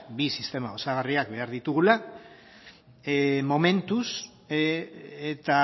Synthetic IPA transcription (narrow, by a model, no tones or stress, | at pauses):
bisist̪e̞mao̞saɣ̞ariakbe̞aɾðit̪uɣ̞ula | mo̞me̞nt̪us | et̪a